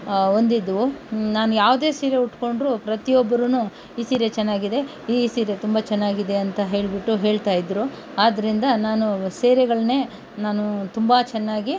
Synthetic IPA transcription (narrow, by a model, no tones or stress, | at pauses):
o̞nd̪id̪ːuʋunaːnujaːʋd̪e̞ːsiːɾjeuʈːko̞ɳɖɾupɾɐt̪ijobːɐɾunu | iːsiːɾjet͡ʃɛnːaːɡid̪e̞ | iːsiːɾjet̪umbɐt͡ʃɛnːaːɡid̪e̞ɐnt̪ɐɦe̞ːɭbiʈːuɦe̞ːɭt̪aːjid̪ɾu | aːd̪ɐɾind̪ɐnaːnuseːɾɛɡɐɭɐne̞ː | naːnut̪umbɐt͡ʃɛnːaːɡi